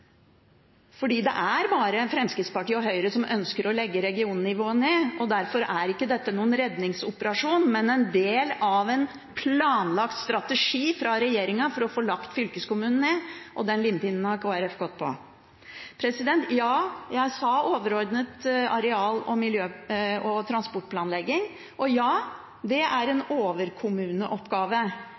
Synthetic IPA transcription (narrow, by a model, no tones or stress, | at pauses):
fɔɖiːd̪ɛ̰ʔæɾbɑːɾəfɾɛmskɾɪt̪spɑʈiːəɔɦœʏɾəsɔmʔœnskəɾɔlɛɡːəɾɛɡɪuːnnɪʋoːəneːʔɔd̪æɾfɔɾæɾɪkːəd̪ɛt̪ːənuːənɾɛd̪nɪŋsʊpəɾɑʂuːnmɛnɛnd̪eːlɑʋɛn | pʰlɑːnlɑkt̪st̪ɾɑt̪əʂiːfɾɑɾɛjeːɾɪŋɑfɔɾɔfoːlɑkt̪fʏlkəskʊmʉːnən̩eʔɔd̪ɛnlɪnp̪ɪnːn̩hɑɾkʰoːæɾɛfɡɔt̪̚ːpʰɔ̰ | pʰɾɛsɪd̪ɛnt̪jɑːjæɪsɑoːʋəɾɔɾd̪nət̪ɑɾɛɑːlɔmɪljøːɔt̪ʰɾɑnspɔʈ̚ːpʰlɑːnlɛɡːɪŋ | ʔɔjɑː | d̪ɛʔæɾɛnoːʋəɾkʰʊmʉːnəʔɔpːɡɑːʋə